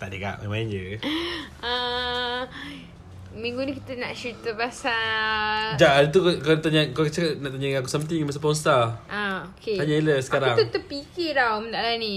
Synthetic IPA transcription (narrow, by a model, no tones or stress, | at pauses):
t̪aʔt̪eka̰ʔmemãnd͡ʒə | ə | miŋɡunikit̪ənaʔʃut̪əpasa | d͡ʒaʔadət̪̬ukkant̪aɲakakt͡ʃakanaʔt̪aɲaiakusamt̪iŋmas̬əpɔnst̪aʔaokʰehaɲaeləsə̥kaɾaŋət̪əpikiɾawməd̪alani